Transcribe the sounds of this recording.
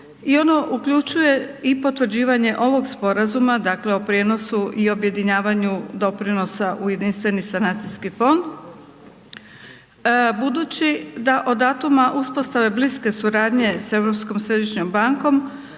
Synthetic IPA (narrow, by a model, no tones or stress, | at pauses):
io̞no̞ʔukʎut͡ʃuje̞ipo̞t̪ʋr̩d͡ʑiːʋaɲe̞ʔo̞ʋo̞ɡspo̞ɾazumad̪akle̞o̞pɾijeːno̞suʔio̞bje̞d̪iɲaːʋaɲud̪o̞pɾino̞saʔuje̞d̪inst̪ʋe̞nisanaːt̪siskifo̞nd̪ | bud̪ut͡ɕid̪aʔo̞d̪at̪umaʔuspo̞st̪aʋe̞bliske̞suɾaːd̪ɲe̞se̞ʋɾopsko̞msɾe̞d̪iʃɲo̞mbaŋko̞m